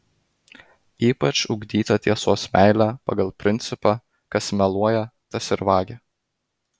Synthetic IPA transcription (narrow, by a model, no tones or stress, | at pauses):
iːpɐt͡ʃʊɡd̪ʲiːt̪ɐt̪ʲiɛsoːsmʲʔæˑɪlʲæːpɐ̰ɡɐlˠpʲɾʲɪnʲt̪ʲɪpɑ | kɐsmʲɛlˠuɔjɛt̪ɐsɪɾʋɑːɡʲɛ